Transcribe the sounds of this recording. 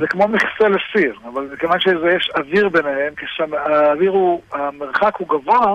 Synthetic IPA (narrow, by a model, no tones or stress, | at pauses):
zekmo̞miχselesiʁavalzekevanʃezejeʃaviʁbenehemkeʃamaaviʁuameʁχakhuɡavoa